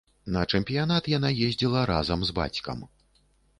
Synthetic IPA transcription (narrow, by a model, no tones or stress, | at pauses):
nɐt͡ʂɛmpʲijanat̪jan̪ajezʲd͡zʲilˠɐɾa̰zɐmzba̰t͡sʲkɐ̰m